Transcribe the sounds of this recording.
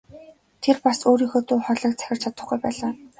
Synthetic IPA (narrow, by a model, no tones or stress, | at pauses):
t̪ʰerpasoːɾiːxoːt̪ʰuːχɔɮə̆ːk̚t͡sʰæ̥xʲɪ̆r̥t͡ɕʰat̪ə̆χɡujpæːɮaː